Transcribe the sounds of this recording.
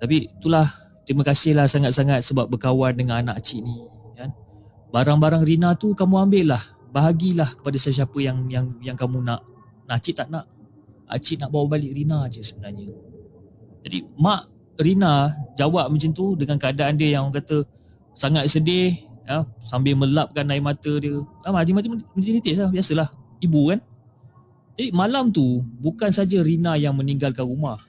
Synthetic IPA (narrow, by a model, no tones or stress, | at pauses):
t̪ap̬it̪ulah | t̪ɾiməkasɪhlahsaŋat̪̚saŋat̪̚səbap̚bəkawandəŋãnanaʔat͡ʃiʔnikan | baɾaŋbaɾaŋrinat̪ukamũambɪʔlah | baɦaɡilahkə̥padasəs̬iapəjaŋjaŋjaŋkamũnaʔ | naʔt͡ʃiʔt̪aʔnaʔ | a̰t͡ʃiʔ̪̚naʔbawaʔbalɪʔɾinad͡ʒəsəbənarɲə | d͡ʒadḭmaʔ | rinad͡ʒawaʔ̚mə̃nt͡ʃint̪udəŋankəadaːndiəjaŋkat̪ə | saŋat̪̚sədehəsambɪlməlap̚kanːaiʔmat̪ədiəlamad͡ʒimatmməidit̪ɪʔslahbiasəlahibukan | d͡ʒadimalamt̪ubukansad͡ʒəɾinajaŋməniŋɡalkanɾumah